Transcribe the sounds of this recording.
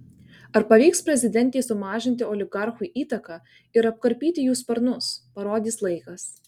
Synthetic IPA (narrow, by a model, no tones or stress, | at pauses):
ɐɾpɐʋʲiːkspʲɾʲɛzʲɪd̪ʲɛnʲt̪ʲeːsʊmɑːʒʲɪnʲt̪ʲɪoːlʲɪɡɐɾxuʔiːt̪ɐkɑː | ɪɾɐp̚kɐɾʲpʲiːt̪ʲɪjuːspʲɐɾnʊspɐɾoːd̪ʲiːslˠɐɪkɐs